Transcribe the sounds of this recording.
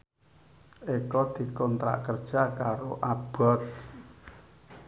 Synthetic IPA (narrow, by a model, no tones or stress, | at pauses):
ekɔd̪̥i̤kɔnt̪ɾa̰ʔkərd̥ʒ̥a̤kaɾoʔab̥ɔ̤t̪̚